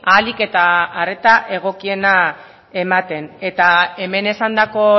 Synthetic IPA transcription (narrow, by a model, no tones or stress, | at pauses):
alike̞t̪aːre̞t̪aʔe̞ɣ̞o̞kie̞na | e̞mat̪e̞ne̞t̪ae̞me̞ne̞sand̪ako̞